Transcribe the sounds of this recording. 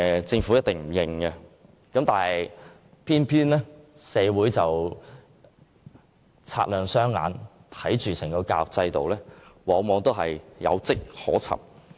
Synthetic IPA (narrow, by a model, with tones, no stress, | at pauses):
t͡sɪ˧ŋfu˨˥jɐ˥t̚t̪ɪ˨ŋm̩˨˩jɪ˧ŋɡɛ˧ | kɐ˨˥mt̪aː˨˩nhɐ˨j | pʰiː˥npʰyː˥nlɛː˥sɛː˨˧wuː˨˥jt͡sɐ˨w | t͡sʰa̰ː˧˥lœː˨˩ŋsœː˥ŋːa̰ː˨˧nt̪ʰɐ˨˥jt͡ʃyː˨sɪ˨˩ŋkɔ˧kaː˧˨k̚t͡sɐ˧jt̪o˨wlɛː˥wɔː˨˧ŋmɔː˨˧ŋt̪o˥wɦɐ˨jjɐ̰˨˧wt͡sɪ˥k̚hɔ̰ː˨˥t͡sʰɐ̰˨p̚